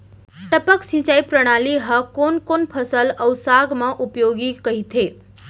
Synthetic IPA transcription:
ʈəpəksĩt͡ʃaipɾəɽ̃aliɦəkonkonpʰəsələwsaɡmãʔupjoɡikəɦit̪ʰe

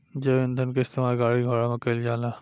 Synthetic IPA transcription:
d͡ʒeʋend̪ʱənkeɪst̪emaːlɡaːɽiɡʱoːɽamɐkəld͡ʒaːlaː

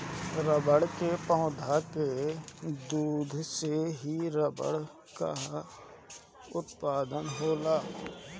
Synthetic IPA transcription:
ɾəbəɽkepə̃ːʊd̪ʱake | d̪uːd̪ʱseɦiɾəbə̰ɽ | ka̰ | ʊt̪paːd̪ənɦoːlaː

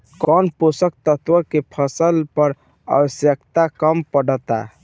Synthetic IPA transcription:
kɔnposək̚t̪ət̪ʋəkepʰəsəlpəɾ | ə̰bəsjəkt̪akəmpəɽət̪a̰

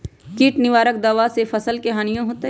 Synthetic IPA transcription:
kiːʈnɪʋaːɾək̚d̪aːʋasefʰɐsəlkeɦaːnijõɦoːt̪e

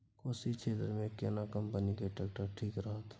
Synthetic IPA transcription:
koːsit͡ʃʰeːt̪ɾmẽkḛnakə̃mpənikeʈek̚ʈəɾʈʰiːkɾəɦat̪ʰ

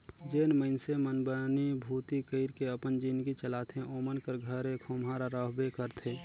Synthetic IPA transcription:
d͡ʒeːnməɪnsemənbənibʱuːt̪ikəɪɾkeəpənd͡ʒinɡit͡ʃəlaːt̪ʰẽoːmənkəɾɡʱəɾekʰoːmɦaɾaɾəɦbekəɾt̪ʰeː

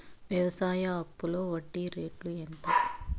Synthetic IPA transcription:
ʋjɐʋɐsaːjɐɐpːulo̞ːʋɐɖːiɾeːʈuent̪ɐ

